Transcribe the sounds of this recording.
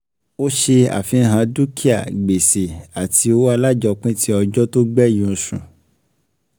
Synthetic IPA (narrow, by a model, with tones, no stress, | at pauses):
o˦ʃe˧a̰˨fĩ˧˦ɦã˧du˦kʰi˦a̰˦˨ɡ͡be˨se˨a˨tʰi˧˦o˦wa˦˧la˦d͡ʒɔ˧k͡pĩ˦tʰi˦ɔ˧d͡ʒɔ˦to˦ɡ͡bɛ˦˨jĩ˨˧ũ˧sũ˨